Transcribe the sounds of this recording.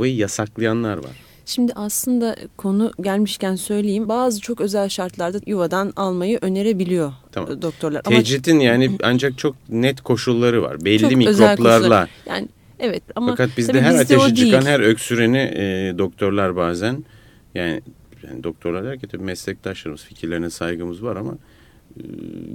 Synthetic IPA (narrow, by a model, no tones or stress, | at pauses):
vajɯjasaklˠajanlˠaɾva̰ɾ̥ | ʃimd̪ɪʔaslˠɯnd̪akʰo̞nuɟælʲmiʃcænsø̞jlʲejimbaːzɯt͡ʃʰo̞kø̞zælʲʃaɾt̪lˠaɾd̪ajuvad̪analˠmajɯʔø̞ne̞ɾe̞bilʲijo̞t̪ʰamd̪o̞k̚t̪ʰo̞ɾlˠaɾaɛd͡ʒɾit̪ʰinjaːniand͡ʒak̚t͡ʃʰo̞k̚nɛt̪kʰo̞ʃulˠːaɾɯva̰ɾbɛlʲːimiøk̪oplˠaɾˠlˠaja̰ːnɪ | evɛt̪amakʰat̪̚bizɛɦæɾat̪ʰeʃit͡ʃʰɯkanɦæɾøcsyɾenid̪o̞k̚t̪ʰo̞ɾlˠaɾbaːzæn | jaːnɪ̰ | ja̰ːnid̪o̞k̚t̪ʰoɾlˠaɾd̪æɾcɛt̪ʰabimɛslʲɛc̚t̪ʰaʃlˠaɾmɯz̥ficʰiɾlʲeɾinɛsajɡɯmɯzvaɾama̰